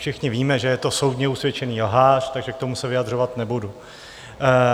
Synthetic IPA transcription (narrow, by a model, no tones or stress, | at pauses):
ʃɪxɲɪviːmɛʒɛjɛt̪o̞so̞wd̪ɲɛusvjɛt͡ʃɛniːlɦaːʃt̪aɡʒɛk̚t̪omusɛvɪjad̪r̝o̞vat̪nɛbudu